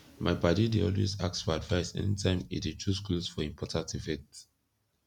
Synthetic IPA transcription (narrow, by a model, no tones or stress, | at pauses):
mʔaɪpadideɔlwḛzaksfɔadvaɪsɛ̰nitʰãɪ̃mḭdet͡ʃuskosfɔĩmpʰɔtʰãntifɛk̚t